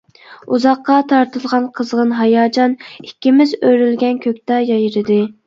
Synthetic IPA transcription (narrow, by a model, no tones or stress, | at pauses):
uzɑqːɑt̪ʰɑɾt̪ɨlˠʁɑnqʰəzʁənɦɑjɑːd͡ʒɑnikʲːimɪzøɾylɡʲɛnkʲʰøkʲt̪ɑjɑjɾɨd̪ɨ